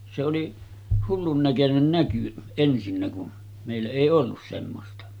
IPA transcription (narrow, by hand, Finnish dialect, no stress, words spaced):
se oli hulːun nækønen næky ensinːæ kun meˑilːæ eˑi olːus semːostɑ